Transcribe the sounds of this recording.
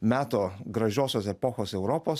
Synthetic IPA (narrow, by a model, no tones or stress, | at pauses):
mʲæːt̪oːɡɾɐʒʲoːsʲoːsɛpɔxoːsɛʊɾɔpoːs